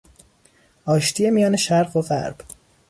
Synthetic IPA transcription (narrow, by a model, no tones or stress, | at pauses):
ʔɒːʃt̪ʰije̞mijɒːne̞ʃæɾɢoɢæ̰ɾb̥